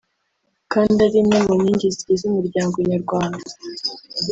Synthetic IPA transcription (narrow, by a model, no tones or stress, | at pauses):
kaːndaɾimŋemoɲiːɲɟiziizumuɾɟaːŋɡoɲaɾɡwaːnda